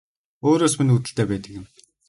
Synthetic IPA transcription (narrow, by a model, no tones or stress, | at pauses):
oːɾoːsminut̪ɘ̆ɬt̪ʰeːpæːt̪ə̆kɪ̆m